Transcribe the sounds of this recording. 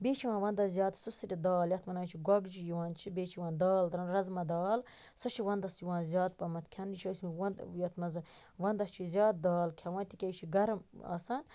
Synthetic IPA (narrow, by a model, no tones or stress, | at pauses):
bʲeːt͡ʃʰiwãːnʋɐnd̪ɐzʲjaːt̪sɨsɨɾʲid̪aːljɐt̪mɐnaːt͡ʃʰiɡʷɐɡd͡ʒijiwaːnt͡ʃʰibʲeːt͡ʃʰiwãːnd̪aːld̪ɾɐnɾɐzmɐd̪aːl | sɐt͡ʃʰiʋɐnd̪ɐsjiʋãːnzʲjaːt̪̚pɐmɐt̪kʲʰɐnit͡ʃʰɐsʲɐnjɐt̪ʰmɐzɨʋɐnd̪ɐst͡ʃʰizʲjaːt̪̚d̪aːlkʲʰɐʋãːnt̪ikʲɐjt͡ʃʰiɡɐɾma̰sɐːn